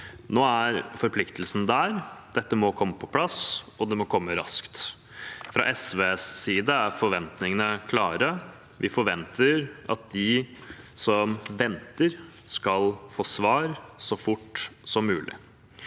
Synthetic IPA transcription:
noːæɾfɔɾpʰlɪkt̪əlsənd̪æɾd̪̥ɛt̪ːəmɔkʰɔmːəpʰɔ̥pʰlɑs | ɔd̪ɛmɔkʰɔmːəɾɑ̰skt̪ | fɾɑ̰ʔɛsʋesːiːd̪əæɾfɔɾʋɛnt̪nɪŋənəkʰlɑːɾə | ʋʔɪfɔɾʋɛnt̪ʰəɾɑ̰t̪̚d̪ɪ | sɔmʋɛnt̪əɾ | skɑlfoːsʋɑːɾsɔfʊʈːsɔmːʉ̰ːlʔɪ̰

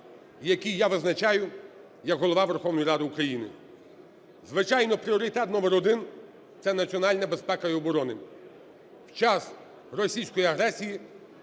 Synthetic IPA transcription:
jɐkʲijjaʋɪznɐt͡ʃajʊ | jɐkɦɔlˠɔʋɑʋerxɔwnɔjiɾɑd̪ɪukɾɐjinɪ̰ | zʋɪt͡ʃajnɔpɾʲiɔɾɪt̪ɛt̪nɔmeɾɔd̪ɪn | t̪sɛnɐt͡sʲiɔnɑlʲnɐbespɛkɐjɔbɔɾɔnɪ | wt͡ʃas | rɔsʲijsʲkɔjiɐɦɾɛsʲiji

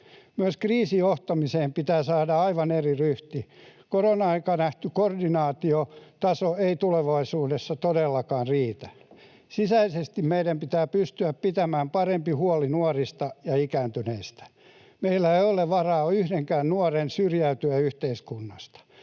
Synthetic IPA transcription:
myøskriːsioht̪ɑmiseːmpit̪æːsɑːdɑɑiʋɑneriryht̪ikoronɑɑikɑnæht̪ykordinɑːt̪iot̪ɑsoeit̪uleʋɑisuːdesːɑt̪odelːɑkɑːrriːt̪æ | sisæisest̪immeidæmpit̪æːpyst̪yæppit̪æmæːmpɑrempihuɔlinuɔrist̪ɑjɑikæːnt̪yneist̪æ̥ | meilːæeioleʋɑrɑːoyhdeŋkæːnnuorensyrjæyt̪yæyht̪eiskunːɑst̪ɑ̥

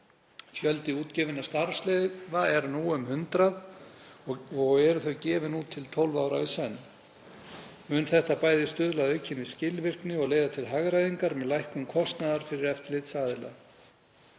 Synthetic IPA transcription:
fjœlt̪ɪuːt̪cɛvɪnːast̪aɾslɛvaɛɾnuːʏmhʏnt̪ɾað | ɔɣɛɾʏθœɥcɛːvɪnuːt̪ʰːɪlt̪ʰowlvawɾaisɛnː | mʏnθɛht̪apaːjðɪst̪ʏðlaðœɥcʰɪniscɪlvɪr̥knɪɔɣleːjðat̪ʰɪlɦaɣɾajðiŋkaɾmɛðlajhkʏmkʰɔst̪naðaɾ̥fɪɾɪɾɛft̪lɪt̪saːðɪla̰

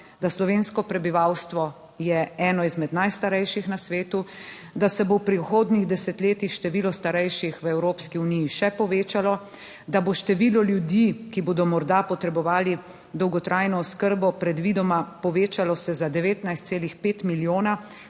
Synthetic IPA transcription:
d̪aslɔʋeːnskɔpɾɛbiʋawst̪ʋɔ | jɛɛːnɔizmɛd̪najst̪aɾɛjʃixnasʋeːt̪u | d̪asɛbowpɾiuxoːd̪niɣd̪ɛsɛt̪leːt̪ixʃt̪ɛʋiːlɔst̪aɾɛjʃixʋəɛwɾoːpskiunijiʃɛpɔʋeːt͡ʃalɔ | d̪aboʃt̪ɛʋiːlɔljud̪ikiboːd̪ɔmɔɾd̪apɔt̪ɾɛbɔʋaːli | d̪ɔwɡɔt̪ɾʔajnɔːskəɾbɔpɾɛd̪ʋiːd̪ɔmapɔʋeːt͡ʃalɔsɛzad̪ɛʋeːt̪najst̪seːlixpeːt̪miljoːna

